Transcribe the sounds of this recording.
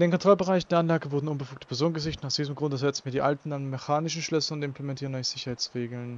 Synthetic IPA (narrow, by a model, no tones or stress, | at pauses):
ɪdeːnkʰɔntʁ̥ɔlbəʁaɪçndeːɐanlaːɡəvʊɐdn̩ʊnbəfuːk̚təpʰɛɐzoːnənɡəzɪçtnaʊsd̥iːzəmɡʁʊndɛɐzɛt͡sn̩viːɐdiːʔaltn̩danmɛçaːnɪʃn̩ʃlʏsəʊntɪmpʰl̥emɛntʰiːʁənɔʏçz̥ɪçɐhaɪt͡sʁeːɡl̩n